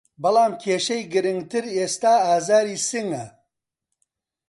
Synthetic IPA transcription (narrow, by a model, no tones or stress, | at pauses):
bɐlˠaːmkʰeːʃɐjɡɨɾɨŋɡt̪ʰɨɾeːst̪aːaːzaːɾiːsɨŋɐ